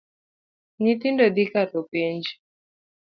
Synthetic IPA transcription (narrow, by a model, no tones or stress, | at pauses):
nit̪indɔd̪ikat̪ɔpend͡ʒi